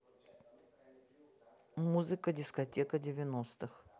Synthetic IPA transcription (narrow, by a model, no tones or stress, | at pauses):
muzɨkədʲɪskɐtʲekədʲɪvʲɪnost̪ɨx